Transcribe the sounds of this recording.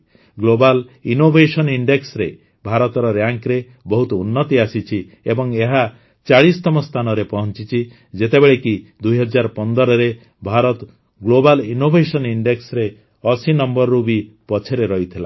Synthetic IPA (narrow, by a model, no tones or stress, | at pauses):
ɡlobalinobʱesɔniɳɖeksɾe | bʱaɾɔt̪ɔɾɔɾjaŋkɾe | bɔɦut̪ɔunːɔt̪iasit͡ʃʰi | ebɔŋeɦa | t͡ʃaɭist̪ɔmɔst̪ʰanɔɾepɔɦɔnt͡ʃit͡ʃʰi | d͡ʒet̪ebeɭekid̪ujɦɔd͡ʒaɾpɔnd̪ɔɾɔɾe | bʱaɾɔt̪ | ɡlobalinobʱesɔniɳɖeksɾe | ɔsinɔmbɔɾɾubipɔt͡ʃʰeɾeɾɔɦit̪ʰila